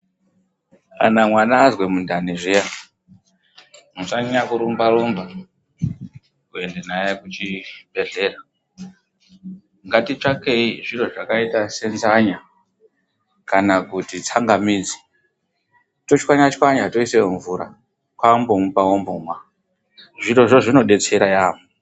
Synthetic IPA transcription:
a̰namwanaːzwe̞mundaneʐija | musanɲakuɾumbaɾumba | kue̞ndenajekut͡ʃibʱe̞ɮe̞ːra | ŋɡatit͡ʂakeiʐiroʐakaitase̞nzaɲa | kanakutit͡saŋɡamiːd͡zi̥ | to̞t͡ʃwaɲat͡ʃwaɲato̞iseɱvuɾa̰ | kwambomupaombomwa | ʐiɾo̞ʐo̞ʐino̞ɗe̞t͡se̞ɾajaːmu

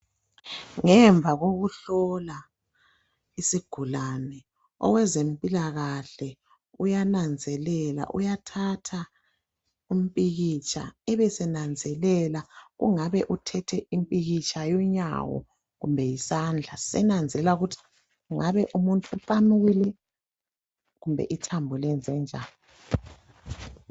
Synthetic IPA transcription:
ŋɛɱb̪vʱaɣoɣuɬɔla | isiɡ̥ʱulanɛ | ɔ̰wɛzempʼilaɣaɬɛ | ujanand͡zʱɛlɛla̰ʔṵjatʰatʰa | um̩pʼiɣit͡ʃʼa̰ɛβɛsɛnand͡zʱɛlɛlaɣṵŋaβɛʔutʰɛtʰɛimpʼiɣit͡ʃʰʼajɔɲa̰wɔ̰ | ɣumbʱɛjisand͡ɮʱasɛ̰nand͡zʱɛlauɣutʰi̥ | uŋaβɛʔumuntʼuufʼamuɣilɛ | ɣumbʱɛ̰ʔitʰambʱulɛnd͡zʱɛnd͡ʒʱaːlɔ

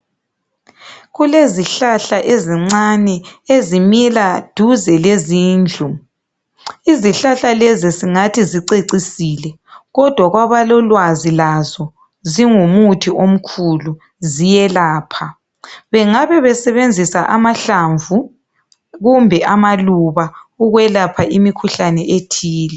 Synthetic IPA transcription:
ɣuleziɬaɬaʔeziŋ͡ǀanɛezimilad̥ʱuzɛleziːnd͡ɮʱu | iziɬaɬalɛziziŋatʰiziǀeǀisiːlɛ | ɣɔd̥ʱwaɣwaβalɔlwazilazɔ | ziŋumutʰiom̩kʰulu | zijɛlaːpʰa | βɛŋaβɛβɛsɛβend͡zʱisaʔamaɬaɱvu | ɣumbʱɛʔamaluβauɣwɛlapʰaʔimikʰuɬanɛʔetʰiːlɛ

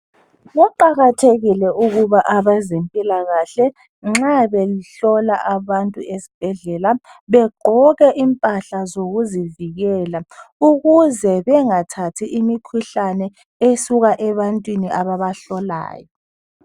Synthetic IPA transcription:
ɣɔǃaɣatʰeɣilɛuɣuβaʔaβazempʼilaɣaɬɛ | ŋ͡ǁaβeliɬɔlaʔaβantʼṵesi̥b̥ʱɛɮɛlaβɛɡ͡ǃʱɔɣɛʔimpʼaɬazoɣuziviɣɛlauɣuzɛβɛŋatʰatʰiʔimikʰuɬanɛ | esuɣaʔɛβantʼwiniʔaβaβaɬɔla̰ːjɔ

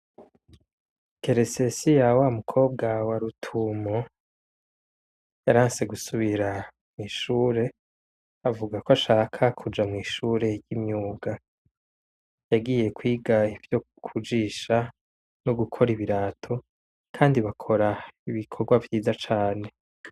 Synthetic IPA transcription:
ke̞ɾesesijawamukʰo̞ːb̚ɡawaɾutʰumo | jaɾaːnse̞ɡusuβiɾa | mŋiːʃuːɾe̞ | avuɡakwaʃaːkʰakʰud͡ʒamŋiːʃuːɾe̞jimɲuːɡa | jaɡiːje̞kwiːɡaivjo̞ | kʰud͡ʒiːʃa | noɡukʰo̞ɾiβiɾaːtʰo̞ | kʰaːndiβakʰo̞ɾaiβikʰoɾɡwavjiːzat͡ʃaːne̞

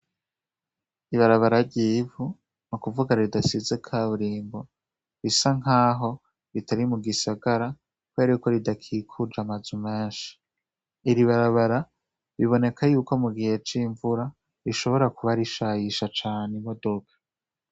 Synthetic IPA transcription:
iβaɾaβaɾaɾɟiːvu | nukuvuɡaɾɾidasizekʰaβuɾiːmbo̞ | ɾisaŋaːɦo̞ | ɾitaɾimuɡisaɡaɾa | kweɾiko̞ɾidakʰiːkʰud͡ʒamazume̞ːnʃi̥ | iɾiβaɾaβaɾa | ɾiβo̞ne̞kʰajuːko̞muɡihe̞t͡ʃiːɱvuɾa | ɾiʃo̞βo̞ɾakuβaɾiʃajiʃat͡ʃaːnemodo̞kʰḁ

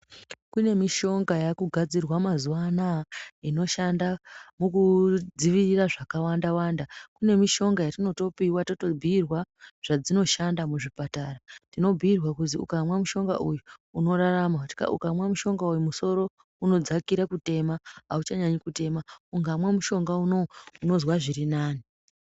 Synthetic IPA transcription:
kune̞miʃo̞ŋɡajakuɡʱad͡zirwamazuwanaino̞ʃandamukud͡ziʋiriraʐakawandawandakune̞miʃo̞ŋɡajatino̞to̞piwatoto̞bʱiirwaʐ̥ad͡zino̞ʃandamuʐipataratino̞bʱiirwakuziṵkamwamuʃo̞ŋɡaʔujuuno̞ɾaramakuti̥ka̰ṵkamwamuʃo̞ŋɡaujumuso̞ɾo̞ | uno̞d͡zakiɾakute̞maɦaut͡ʃaɲaɲikute̞mauŋɡamwamuʃo̞ŋɡaunouno̞zwaʐiɾinaːni

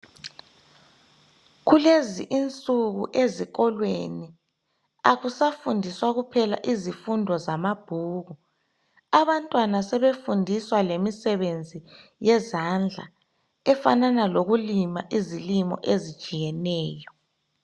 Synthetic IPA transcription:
ɣuleziʔint͡sʼuɣuʔeziɣɔlwḛni | aɣusafundʱiswaɣupʰɛla̰ʔizifundʱɔzamab̥ʱuːɣu | aβantʼwanasɛβefundʱiswalemisɛβend͡zʱijɛzand͡ɮʱa̰ | ɛfa̰nanaloɣulimaʔizilimɔ̰ʔezid̥ʒ̥ʼʱijɛnɛːjɔ

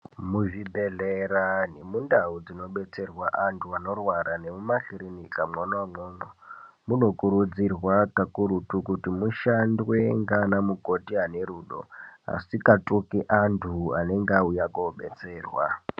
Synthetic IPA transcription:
muʐibʱeɮeɾanemundaud͡zino̞ɓe̞t͡se̞rwaʔantʰuano̞rwaɾane̞mumaɬiɾinikamanwamoːno | muno̞kuɾud͡zirwakakuɾutukutimuʃandweŋɡanamukotiane̞ɾuːɗo̰a̰sikatʼukiʔantʰuane̞ŋɡaujakoɓe̞t͡se̞ːrwa̰

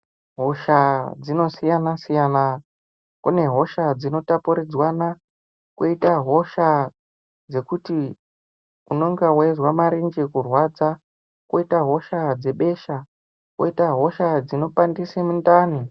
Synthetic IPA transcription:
ɦo̞ʃad͡zino̞sijanasijana | kṵne̞ɦo̞ʃad͡zino̞tapuɾed͡zwana | kwoitaɦo̞ʃa | d͡ze̞kuti | uno̞ŋɡawezwamaɾind͡ʒikurwad͡za | kwoitaɦo̞ʃad͡ze̞ɓe̞ːʃa | kʔo̰itaɦo̞ʃad͡zino̞pandisemundaːni

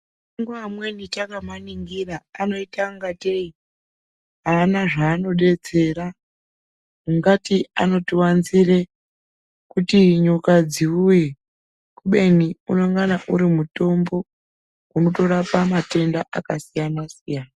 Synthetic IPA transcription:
iŋɡamwe̞nitakamaniŋɡiraano̞itaŋɡatei | ɦaːnaʐaːno̞ɗe̞d͡ze̞ra | muŋɡatiano̞tiwanzire | kutiɲukad͡ziuje | kuɓe̞niuno̞ŋɡanaʔuɾimuto̞mbo̞ | uno̞to̞ɾapamate̞ndaʔakasijanasijana

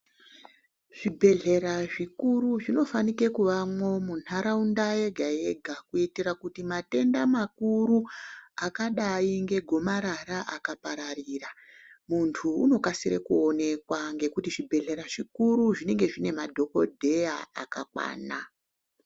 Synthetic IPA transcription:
ʐ̥ibʱe̞ɮe̞ɾaʐikuruʐino̞fanike̞kuʋamwo̞munaɾaundajeɡʱae̞ɡʱakuitiɾakutimate̞ndamakuɾuakaɗaiŋɡe̞ɡʱo̞maɾaɾaʔakapaɾarira | muntʰṵːno̞kasiɾḛkuo̞ne̞kwaŋɡe̞kutiʐibʱe̞ɮe̞ɾaʐikuɾuʐine̞ŋɡe̞ʐine̞madʱo̞ko̞̰dʱe̞jaa̰kakwa̰ːna

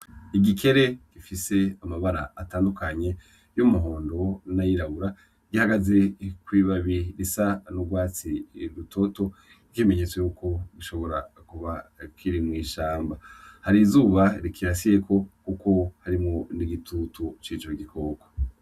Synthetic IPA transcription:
iɡikʰe̞ɾe̞ɡ̥ifise̞amaβaɾaːtaːndukʰaɲe̞ | jomuɦo̞ːndo̞najiɾaβuɾa | ɡihaɡaze̞kwiːβaβiɾisanuɡwaːt͡siɾutʰo̞to̞ | ikime̞ɲe̞t͡swejuːkʰo̞ɡuʃo̞βo̞ɾakuβakʰiɾimŋiːʃaːmbahaɾizuːβaɾikʰiɾasije̞kʰo̞kuko̞haɾimŋoniɡitʰutut͡ʃiːt͡ʃo̞ɡikʰo̞ːko̥

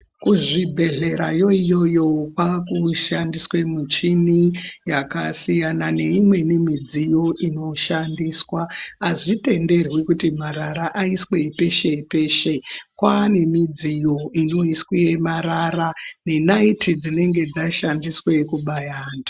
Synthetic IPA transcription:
kuʐibʱe̞ɮe̞ɾajo̞ijo̞jo̞kwakuʃandiswe̞mut͡ʃinijakasijanane̞imwe̞nimid͡zijo̞ʔino̞ʃandiːswaaʐite̞nde̞rwikutimaɾaɾaʔaisweipe̞ʃe̞ipe̞ʃekwanemid͡zijo̞ino̞isweemaɾarane̞naitʰid͡zine̞ŋɡe̞d͡zaʃandiswe̞kuɓajaːndu

